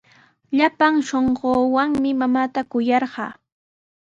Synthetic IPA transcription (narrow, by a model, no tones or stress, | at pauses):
ʎapaŋʃoɴɢoːwaŋmɪmamaːt̪akʊjɑɾɢɑ̰ː